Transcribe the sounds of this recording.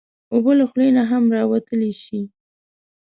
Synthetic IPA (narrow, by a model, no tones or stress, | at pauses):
obəlaxlenaɦamɾɑwat̪əleʃi